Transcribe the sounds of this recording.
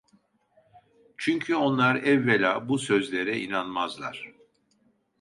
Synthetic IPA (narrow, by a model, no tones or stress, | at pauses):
t͡ʃʰyɲcʰyo̞nlˠaɾɛvːelʲaːbusøzlʲe̞ɾɛinanmazlˠa̰ɾ̥